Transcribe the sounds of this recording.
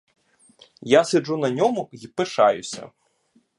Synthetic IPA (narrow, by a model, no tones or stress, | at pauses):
jasʲɛʐunɐnʲɔmʊipɨʂajʊsʲɐ̰